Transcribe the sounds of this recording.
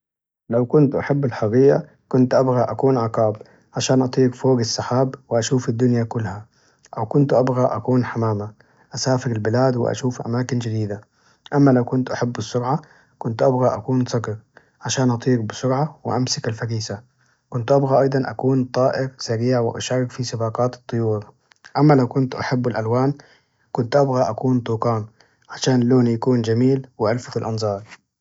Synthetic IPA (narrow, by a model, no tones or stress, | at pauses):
lawkʊnt̪ʔaħabːalħɑɣiːʔa̰ | kʊnt̪ʔabɣaʔakuːnʕɑqɑːb | ʕaʃaːnʔɑt̪ˤiːɡfoːɡasːaħaːbwɪʔaʃuːfad̪ːʊnjakʊlːha | ʔawkʊnt̪uʔabɣaʔa̰kuːnħamaːma | ʔasaːfɪɾalbɪlaːd̪wɪ̰ʔa̰ʃuːfʔa̰maːkɪnd͡ʒad̪iːd̪a | ʔamːalawkʊnt̪ʔaħabːɨsˤːʊɾʕa | kʊnt̪ʔabɣaʔakuːnsˤɑɡɾ | ʕaʃaːnʔɑt̪ˤiːɾbɪsʊɾʕawɪ̰ʔamsɪkalfaɾiːsa | kʊnt̪ʔabɣaʔɑjd̪ˤɑnʔa̰kuːnt̪ˤɑːʔɪɾsaɾiːʕwɪʔa̰ʃɑrˤːɑkfisɨbɑːqɑːt̪ɨ̥t̪ˤːɨjuːɾ | ʔamːalawkʊnt̪ʔaħabːalʔalwaːn | kʊnt̪ʔabɣaʔakuːnt̪ˤuːqɑːn | ʕaʃaːnloːnjakuːnd͡ʒamiːlwɪʕalfat̪alʔɑnzˤɑːɾˤ